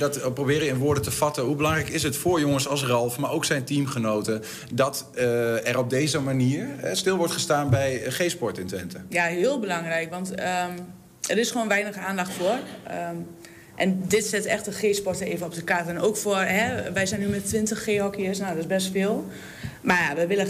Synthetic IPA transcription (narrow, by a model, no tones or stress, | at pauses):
dɔtprobɪːɾəjəɪnʋʊːɹdətəfɑtəɦubəlɑŋrɛjkɪsətfʊɹjoŋənsɑlˠsrɑlˠfmaːɹowksɛjntimχənowtə | dɔt | ɛɾɔb̚dejzəmaniːəɹɛstɪlˠʋɔɹtχəstaːnbɛjχespɔɹtɪntʋɛntəjaɦɪəlˠbəlɑŋrɛjkʋɑntə | əɾɪsxʋoːnʋɛjnəxəaːndaxtfor | ʔɛndɪtsɛtɛxtəxeːspɔrtəeːvənɔp̚dəkatənoːkfʊərɦɛʋɛjsɛjnymɛtʋɪntəxːeːhɔkiəsnodɪzbɛs̬tfeːlˠ | majaʋəʋɪlə